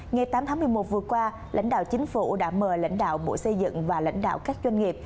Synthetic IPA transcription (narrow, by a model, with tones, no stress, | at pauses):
ŋa˨˩jt̪aː˨˦mt̪ʰaː˨˦mɨ˨˩əjmo˨˩t̚vɨ˨˩əkwaː˧ | la̰˧˥jŋ̟ɗa̰ː˧˨wt͡ɕï˨˦ŋ̟fṵ˧˩ɗa̰ː˧˥məː˨˩la̰˧˥jŋ̟ɗa̰ː˧˨wɓo̰˧˥jsə˧jzɨ̰˧˨ŋvaː˨˩la̰˧˥jŋ̟ɗa̰ː˧˨wkaː˦˥k̚zwa˧ŋ̟ŋi˨˩əp̚